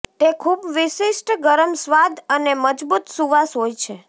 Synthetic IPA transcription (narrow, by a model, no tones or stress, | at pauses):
t̪ekʰubʋɪʃiʃʈɡəɾəmsʋad̪əneməd͡ʒbut̪suʋasɦojt͡ʃʰe